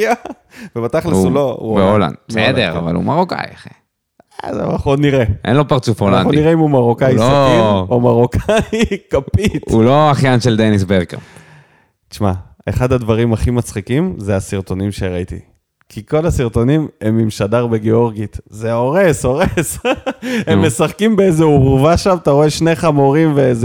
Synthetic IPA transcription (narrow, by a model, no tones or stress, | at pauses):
ja | vebat̪aχlsuloṵbeola̰nded̪eʁa̰va̰lṵmaʁoka̰jχe | za̰naχnuod̪niʁeʔḛnlopaʁt͡sufolnaχuniʁeimumaʁokajsiomaʁokajkapit̪uloaχjanʃeld̪enisbeʁkḛʁ | t͡ʃma̰eχad̪ad̪vaʁimaχimat͡sχikimzeasiʁt̪o̞nimʃeʁait̪ḭ | kiko̞lasiʁt̪o̞nimemimʃadaʁbe̞ɡeo̞ʁɡit̪zeo̞ʁe̞soʁes | emːe̞saχkimbeezeuʁvaʃamt̪aʁoe̞ʃne̞χamoʁimveeze